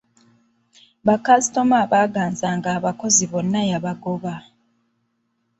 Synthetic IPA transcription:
βakasito̞maːβaːɡaːnzaːŋɡaːβako̞ziβo̞nːajaβaɡoβa

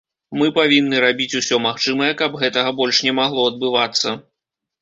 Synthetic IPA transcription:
mɨpavʲinːɨɾabʲit͡sʲusʲɔmaxt͡ʂɨmɐjɛkɐbɣɛt̪ɐɣɐbɔlʲʂnʲɛmaɣlˠɔɐd̪̚bɨvat̪sːɐ

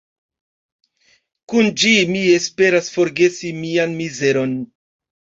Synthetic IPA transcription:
kund͡ʒimie̞spe̞ɾasfo̞ɾɡe̞simianmize̞ɾo̞n

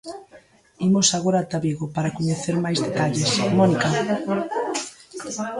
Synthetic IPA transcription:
imosaɣoɾat̪aβiɣopaɾakoɲeθeɾmajzðet̪aʎesmɔnika

